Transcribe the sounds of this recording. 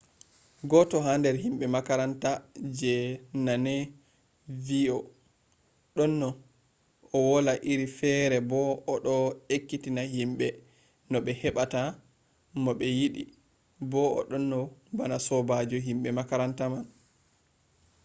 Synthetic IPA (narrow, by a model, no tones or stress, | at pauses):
ɡɔtɔɦandɛɾhimɓɛmakaɾantad͡ʒɛnanɛ | viɔ | ɗɔnːɔ | ɔwɔlaʔiɾifɛɾɛbɔːɗɔekːitinahimɓɛ | nɔɓɛhɛɓata | nɔɓɛjiɗi | bɔɔ̰ɗɔnːɔbanasɔbad͡ʒɔɦimɓɛmakaɾantaman